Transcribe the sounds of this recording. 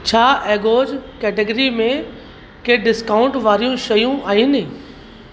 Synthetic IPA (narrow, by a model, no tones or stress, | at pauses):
t͡ɕʰaːʔɛːɡoːd͡ʑkɛːʈəɡəɾimẽ | keɖɪskaːʊ̃ɳʈʋaːɾijũʃɐjũaːɦinɪ